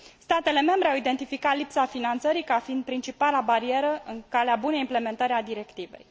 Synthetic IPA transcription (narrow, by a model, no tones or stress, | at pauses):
st̪at̪e̞le̞me̞mbɾe̞awid̪e̞nt̪ifikat̪lipsafinant̪səɾikafind̪̚pɾint͡ʃipalabaɾie̞ɾəɨnkaleabunejimple̞me̞nt̪əɾʲad̪iɾe̞kt̪ive̞̰j